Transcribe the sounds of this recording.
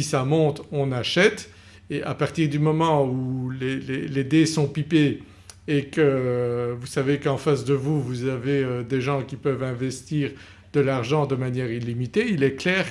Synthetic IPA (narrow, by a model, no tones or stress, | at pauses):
isamɔ̃t̪ɔ̃naʃɛt̪ | eʔapaʁt̪iʁd̪ymɔmɑ̃uleleled̪esɔ̃pipe | ekəvusavekɑ̃fasd̪əvuvuzaveød̪eʒɑ̃kʲipœvɛ̃vɛst̪iːʁ | d̪̥əlaʁʒɑ̃d̪əmanjɛʁilimit̪eilɛklɛːʁ